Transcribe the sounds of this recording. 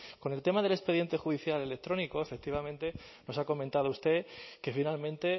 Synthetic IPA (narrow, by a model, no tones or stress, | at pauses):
ko̞nelt̪e̞maðe̞le̞spe̞ðje̞nt̪e̞xuðiθjale̞le̞k̚t̪ɾo̞niko̞e̞fe̞k̚t̪iβ̞amẽ̞nt̪e̞no̞sako̞mẽnt̪að̞oust̪e̞ke̞finalmẽnt̪e̞